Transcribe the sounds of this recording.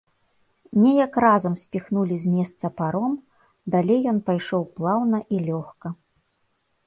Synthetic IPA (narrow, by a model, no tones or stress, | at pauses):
nʲɛjɐkrazɐmsʲpʲixnulʲizʲmʲɛst̪sɐpaɾɔm | d̪alʲejːɔn̪pajʂɔwplˠawnɐʔilʲɔxkɐ